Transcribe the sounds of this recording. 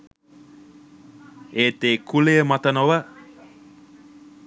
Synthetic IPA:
eːt̪eːkʰulejəmat̪ənowə

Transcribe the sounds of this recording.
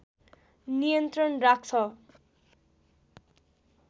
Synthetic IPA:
nijʌnt̪rʌnrak̚t͡sʰʌ

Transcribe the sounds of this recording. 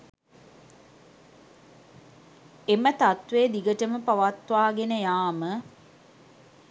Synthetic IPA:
emət̪at̪ʋeːd̪iɡəʈəməpaʋat̪ʋaːɡenəjaːmə

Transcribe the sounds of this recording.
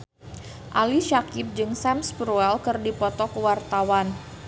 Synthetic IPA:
ʔaliʃakɪp̚d͡ʒɨŋsɛmspɾuɛlkɨrdipɔt̪ɔkəwart̪awan

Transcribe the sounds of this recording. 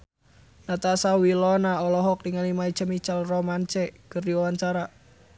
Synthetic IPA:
nat̪asawilɔnaɔlɔɦɔk̚diŋalimait͡ʃəmit͡ʃalrɔmant͡ʃɛkərdiwawant͡ʃaɾa

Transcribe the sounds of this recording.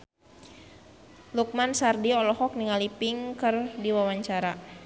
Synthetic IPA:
luk̚mansardiɔlɔhɔk̚niŋalipiŋkɨrdiwawaɲt͡ʃaɾa

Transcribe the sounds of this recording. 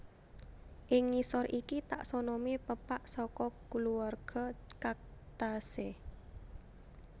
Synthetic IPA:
ʔɪŋːisɔrʔikit̪a̰ʔsɔnɔmipəpaʔsɔkɔkuluarɡ̥ɔkak̚t̪ase

